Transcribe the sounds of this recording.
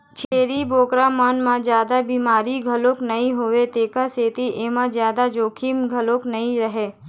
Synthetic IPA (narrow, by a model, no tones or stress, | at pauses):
t͡ʃʰeːɾiboːkɾamənmãd͡ʒjaːd̪abimaːɾiɡʱəloknɐĩɦoʋet̪eːkaseːt̪iʔeːmãzjaːd̪ad͡ʒoːkʰimɡʱəloknɐĩɾəɦeː